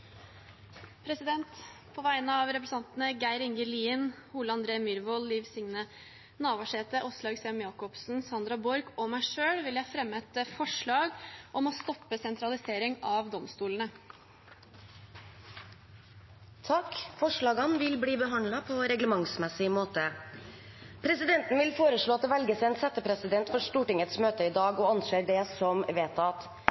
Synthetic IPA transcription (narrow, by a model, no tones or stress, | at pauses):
pʰɾɛsɪd̪ɛnt̪ | pʰɔʋæɪnəɑʋɾɛpɾəsɑnt̪nəɡæɪɾɪŋɡəliːənhuːləɑnd̪ɾeːmʏɾʋɔlliːʋsɪŋnə | nɑːʋɑʂeːt̪əʔɔslɑːɡsɛːmjɑːkɔpsn̩sɑnd̪ɾɑbɔɾɡɔmæɪʂøːɽʋɪljæfɾɛmːəɛt̪əfɔʂɭɑːɡʔɔmɔst̪ɔpːəsɛnt̪ɾɑlɪseːɾɪŋɑʋd̪ɔmst̪uːlənə | t̪ʰɑkfɔʂɭɑːɡɑnʋɪlbɽiːbəɦɑnd̪lɑpʰɔɾɛɡləmɑŋsmɛsɪmoːt̪ə | pʰɾɛsɪd̪ɛnt̪n̩ʋɪlfoːɾəʂɭoːɑt̪̚d̪ɛʋɛlɡəsæɛnsɛt̪ːəpʰɾɛsɪd̪ɛnt̪fɔʂt̪uːʈɪŋət̪smøːt̪əɪd̪ɑːɡɔɑnʃeːɖɛsɔmʋeːt̪ɑt̪